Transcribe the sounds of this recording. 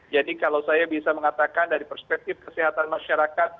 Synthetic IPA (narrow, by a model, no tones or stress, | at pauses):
d͡ʒadikalawsajabisaməŋat̪akandaɾipərspɛk̚t̪ɪfkəsiɦat̪anmaʃaɾakat̪̚